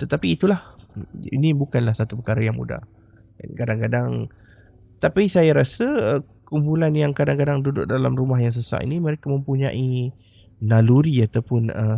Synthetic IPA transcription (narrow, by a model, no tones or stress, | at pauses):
t̪ət̪apiːt̪ulahḭnibukanlahsat̪upəkaɾajaŋmṵda̰h | kadaŋkadaŋ | t̪apisajaɾasəə | kumpulanjaŋkadaŋkadaŋdudʊ̰ʔ̚dalamrumaɦjaŋs̬əsa̰ʔḭnimə̃ɾekamə̃mpuɲã̰ʔi | naluɾiat̪awpʊnə